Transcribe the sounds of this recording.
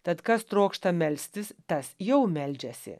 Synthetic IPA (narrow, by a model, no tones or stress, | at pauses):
t̪ɐt̪kɐst̪ɾoːkʃt̪ɐmʲɛlʲsʲt̪ʲɪst̪ɐsjɛʊmʲɛlʲd͡ʒʲɛsʲɪ̰